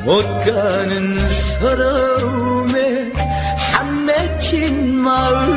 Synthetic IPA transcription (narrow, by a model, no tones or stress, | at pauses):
mot̚ka | nɯns | ʌɾʌm | me | hamːe | t͡ɕʰin | ma